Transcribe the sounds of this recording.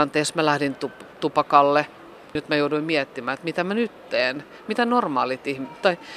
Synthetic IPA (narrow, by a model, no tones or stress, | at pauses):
ɑnt̪eːsmælæhdint̪upt̪upɑkɑlːe | nyt̪mæjouduimmiɛt̪ːimæːet̪mit̪æmænyt̪ːeːn | mit̪ænormɑːlit̪ihmitt̪ːɑi